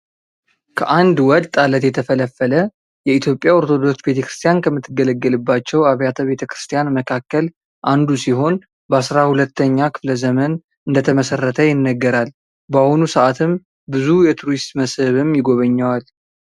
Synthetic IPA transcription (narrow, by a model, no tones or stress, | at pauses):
kʰə̰ʔand̪wɔt̪ʼalət̪jɛt̪ʰəfələfːələ | jɛit̪ʰjo̞pʼjaoɾt̪ʰo̞d̪o̞ksbe̞t̪ʰəkɾɨst̪ʰijankʰəmːɨt̪ʰːɨɡələɡːəlɨbːat͡ʃːɛwaβjat̪ʰəβe̞t̪ʰəkɾɨst̪ʰijanməkʰakːəl | ʔand̪usiɦo̞n | bəasɾahulət̪ʰːəɲːakʰɨ̥fləzəmən | ɨnd̪ət̪ʰəməsərːət̪ʰəjɪnːəɡːəɾal | bahunusəʔat̪ʰɨm | bɨzujɛt̪ʰuɾist̪məsɨβɨmjɪɡo̞βəɲːawal